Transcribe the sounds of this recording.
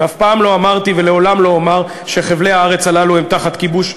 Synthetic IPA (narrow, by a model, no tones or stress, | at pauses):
afpaːmlo̞amaʁt̪ivele̞o̞lamlo̞amaʁ | ʃeχevle̞haaʁe̞t͡salaluhemt̪aχat̪kibuʃ